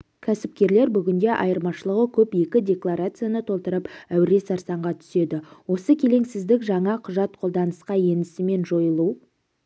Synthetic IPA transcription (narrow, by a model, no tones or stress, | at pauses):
kʲʰæsɪp̚kʲe̞ɾle̞ɾbʏɡʲɪnd̪e̞ʔɑjəɾmɑʃəlˠəʁəkʲʰɵpje̞kʲɪdʲe̞klˠaɾat̪sɨjanət̪ʰo̞lˠt̪əɾəpæwɪɾe̞sɑɾsɑɴʁɑt̪ʰʏ̥se̞d̪ɪwo̞səkʲʰe̞le̞ŋsɪzd̪ɪkʒɑɴɑqʰʊʒɑt̪qʰo̞lˠd̪ɑnəsqɑje̞nɪsɪme̞nʒo̞jəlˠu